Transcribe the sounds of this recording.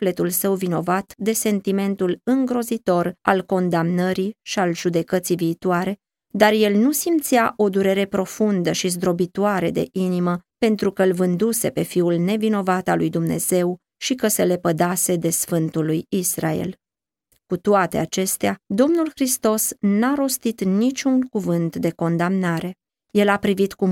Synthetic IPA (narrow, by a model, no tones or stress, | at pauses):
ufle̞t̪ulsəwvino̞vat̪d̪e̞se̞nt̪ime̞nt̪ulɨŋɡɾo̞zit̪o̞ra̰lko̞nd̪amnəɾiʃialʒud̪e̞kət̪sijviːt̪waɾe̞ | d̪arje̞lnusimt̪sijaʔo̞d̪uɾe̞ɾe̞pɾo̞fund̪əʃizd̪ɾo̞bit̪oaɾe̞d̪e̞̰ʔiniməpe̞nt̪ɾukəlvɨnd̪use̞pe̞fiulne̞vino̞vat̪alujd̪umne̞̰z̥e̞w | ʃikəse̞le̞pəd̪ase̞d̪e̞sfɨnt̪ulːujisra̰ḛl | kut̪oat̪e̞̰at͡ʃe̞st̪ead̪o̞mnulxɾist̪o̞snaɾo̞st̪it̪nit͡ʃʲunkuvɨnt̪d̪e̞ko̞nd̪amnaɾe̞ | je̞lapɾivit̪ku